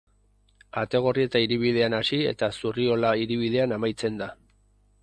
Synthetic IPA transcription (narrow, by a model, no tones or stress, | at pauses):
at̪e̞ɣ̞o̞rie̞t̪aiɾiβið̞e̞anasie̞̰t̪asurio̞laiɾiβ̞iðe̞anamajt͡se̞nd̪a